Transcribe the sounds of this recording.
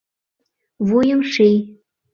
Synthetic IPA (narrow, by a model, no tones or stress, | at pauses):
βujə̆mʃij